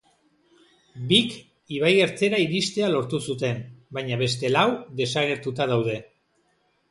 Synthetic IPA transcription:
bik | iβ̞aje̞ɾt͡se̞ɾaiɾist̪e̞alo̞ɾt̪usut̪e̞mbajɲaβe̞st̪e̞lawd̪e̞saɣ̞e̞ɾt̪ut̪aðawðe̞

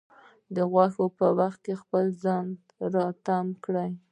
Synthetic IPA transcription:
d̪əɣwaxopəwaxt̪̚kexpəlzɑnd̪ | ɾɑt̪amkɽaj

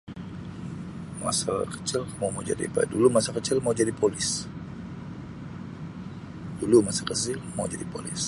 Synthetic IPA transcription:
ma̰sa̰kə̥t͡ʃɪlkamamaud͡ʒa̰dḭpadulumasakət͡ʃɪlmaud͡ʒadipʰolɪs | d̥ulumasakət͡ʃɪlmaud͡ʒadipo̰lɪs

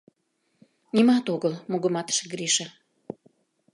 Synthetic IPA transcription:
nimɑt̪oɣəlmoɣə̆mɑt̪ʃeɡɾiʃɑ

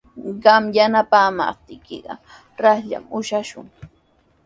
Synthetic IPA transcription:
ɢɑmjanapaːma̰p̚t̪ɪjkɪɢɑ̰ | ɾɑhʎa̰mʊʃaʃʊŋ

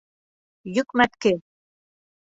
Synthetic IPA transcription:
jʊkmap̪̚ke

